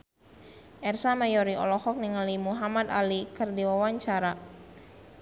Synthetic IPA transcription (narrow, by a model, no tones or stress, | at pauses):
ʔɛrsamajɔɾiɔ̰lɔhɔk̚niŋalimuɦamad̪a̰likərdiwawaɲt͡ʃaɾa